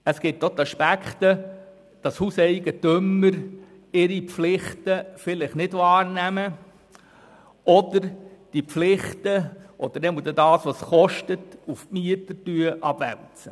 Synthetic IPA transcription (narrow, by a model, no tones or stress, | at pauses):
əsɡ̥ɪtːot̪ɑʃpækt̪ə | d̥ɑshuːsɛɪɡətʏməɾ | ɪɾipflɪχtəfɪlɪχnɪdvɑːɾnæmə | ɔd̪əɾd̥ipflɪχtəʔɔd̥̪əɾnɛmədɛdɑːsʋɑsχɔʃtətufmiətətyəʔɑb̥væ̰lt͡sə